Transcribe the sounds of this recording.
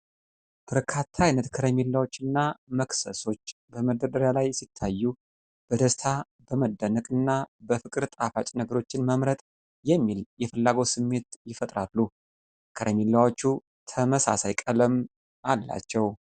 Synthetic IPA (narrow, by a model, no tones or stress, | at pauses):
b̥əɾkʰat̪ʰːaajnət̪kʰəɾəmilːawo̞t͡ʃːɨnːaməksəso̞t͡ʃː | bəməd̪əd̪əɾjalajsit̪ʰːajːu | b̥əd̪əst̪ʰa | bəməd̪ːənəkʼɨnːabəfɨkʼɨɾt̪ʼafat͡ʃʼnəɡəɾo̞t͡ʃːɪnməmɾət̪ʼ | jɛmːiljɛfɨlːaɡosɨmːe̞t̪jɪfət̪ʼɾalːu | kʰəɾəmilːawo̞t͡ʃːu | t̪ʰəməsa̰sajkʼələm | ʔalːa̰t͡ʃːɛw